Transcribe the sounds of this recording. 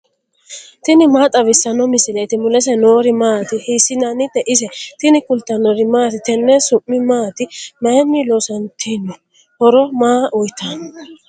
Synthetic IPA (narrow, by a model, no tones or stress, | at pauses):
t̪ɪnɪmaːt̪ʼɐβɪsːɐnɔmɪsɪlet̪ɪmʊlɛs̬ɛnoːɾɪmaːt̪ɪhisɪnɐnɪd̪ɛʔɪsɛt̪ɪnɪkʊlt̪ːɐnɔɾɪmaːt̪ɪt̪ɛnːɛsʊmːɪmaːt̪ɪmɐjɛmːɪlɔsɐnt̪ʰinːɔ | hɔɾɔmaːʔʊjt̪ʰːan